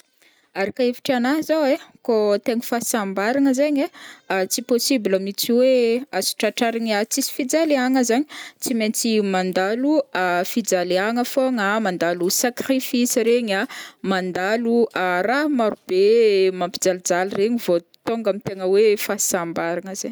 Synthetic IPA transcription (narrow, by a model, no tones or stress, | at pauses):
aɾakaefi̥ʈ͡ʂanazawekot̪eŋfasambaɾaŋəzaɲeat͡siposibilamit͡siweasi̥ʈ͡ʂaʈ͡ʂaɾaɲat͡sisi̥fid͡zaleaŋəzaɲi̥t͡siment͡simand̪aluafid͡zaleaŋəfoŋamand̪alusakrifisiɾeɲamand̪aluʔaɾaɦmaɾub̥emampid͡zalid͡zalireɲivo | t̪oŋɡamit̪eŋəwefasambaɾanəzeɲ